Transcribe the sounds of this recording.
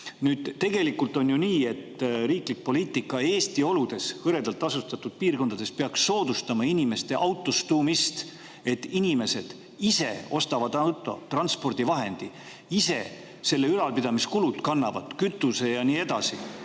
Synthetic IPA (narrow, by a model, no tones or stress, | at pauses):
nyːd̪̥t̪ːe̞ɡ̥e̞likːˑult̪ˑo̞njuniːe̞t̪ːɾiːklik̚po̞liːt̪ːˑikːˑɑe̞ːst̪io̞lud̪̥e̞sɤɾe̞d̪ɑlt̪ːˑɑsust̪ɑt̪ːud̪̥̚piːrko̞nd̪ɑd̪e̞speɑksːo̞ːd̪ust̪ɑmɑinime̞st̪e̞ʔɑwt̪ːˑost̪uːmist̪ | e̞t̪ːinime̞se̞d̪̥ | ise̞̰o̞st̪ɑvɑd̪ɑwt̪ˑo̞̰t̪rɑnspo̞rd̪̥ivɑɦe̞nd̪̥i | ise̞ | se̞lːe̞ylɑlpid̪ɑmiskulud̪̥kɑnːɑvɑt̪kyt̪ːˑuse̞jɑniːe̞d̪̥ɑsi